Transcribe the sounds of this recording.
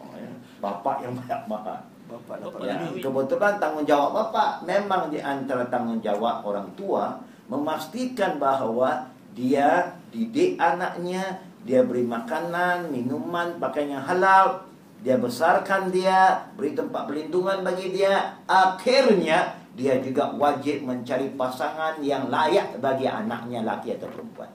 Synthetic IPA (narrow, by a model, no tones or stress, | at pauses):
ja̰ | ba̰pa̰ʔjaŋbajaʔ̚maha̰ | jakəbut̪ulant̪aŋʊnd͡ʒawaʔbapaʔmemaŋdiʔant̪aɾat̪aŋʊnd͡ʒa̰wa̰ʔ̚o̰ɾaŋt̪ua | məmast̪ikanbaɦwa | diadidɪʔanaʔɲa | diabəɾimakananminumanpakajɲaɦalal | diabəsarkandiabəɾit̪əmpat̪̚pərlinduŋanbaɡidiaaxɪrɲa | diad͡ʒuɡawad͡ʒɪp̚məɲt͡ʃaɾipasaŋanjaŋlajaʔbaɡia̰na̰k̚ɲala̰kiat̪awpəəmpua̰n̚